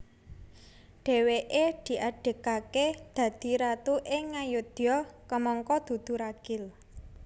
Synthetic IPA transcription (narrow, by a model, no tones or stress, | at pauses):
ɖ̥ɛ̤weʔed̪̥i̤ʔaɖ̥e̤kaked̪̥ä̤d̪̥i̤ɾat̪uʔeŋajʊd̪̥jɔkəmɔŋkɔd̪̥ṳd̪̥ṳɾaɡ̥ɪl